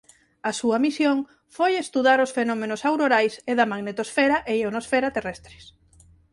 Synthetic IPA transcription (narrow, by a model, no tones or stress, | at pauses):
ɐsuɐmisjoŋ | fojest̪uðaɾosfenɔmenʊsawɾoɾajseðɐmaɣnet̪osfɛɾaʔeonosfɛɾat̪erɛst̪ɾɪ̥s